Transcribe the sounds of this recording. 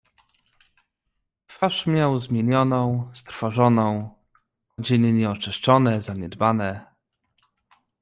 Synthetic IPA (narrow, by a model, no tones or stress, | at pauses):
t̪faʂmʲjawzmʲjeɲɔnɔ̃w̃st̪ɾfɔʐɔnɔ̃w̃ | ɔd͡ʑenɘɲɛɔt͡ʂɘʂt͡ʂɔnɛzaɲɛd̪banɛ